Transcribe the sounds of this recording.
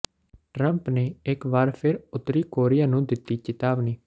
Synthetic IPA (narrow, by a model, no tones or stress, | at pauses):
ʈɾəmpneːɪkʋaːɾpʰɪɾʊt̪ːɾiːkoːɾɪjaːnũːd̪ɪt̪ːiːt͡ʃɪt̪aːbniː